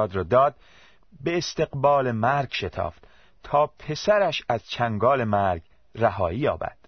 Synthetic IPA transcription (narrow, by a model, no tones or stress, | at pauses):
ɒːd̪ɾɒːd̪ɒːd̪̚ | be̞ːst̪e̞ɣbɒːlemæɾɡʃe̞t̪ʰɒ̰ːft̪ | t̪ʰɒːpʰe̞sæɾæʃæzt͡ʃʰæŋɡɒːle̞mæɾɡ | ræɦɒːiːjɒ̰ːbæ̰d̪̥